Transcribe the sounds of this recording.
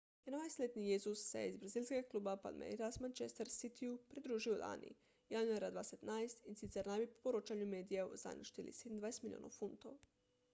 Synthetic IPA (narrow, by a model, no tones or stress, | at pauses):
jenoʋajst̪lʲet̪nijezusːḛizbɾazilʲskeɡaklˠuːbapa̰lmḛɾiɾasmant͡ʃest̪eɾsit̪ʰiupɾid̪ɾuːʒiola̰nḭ | janueɾad̪ʋased̪najst̪insit̪seɾnabipo̥poɾot͡ʃaɲumeːd̪ijaṵza̰niʃt̪ilḭsed̪nd̪vajest̪milio̰ːna̰wfunt̪ow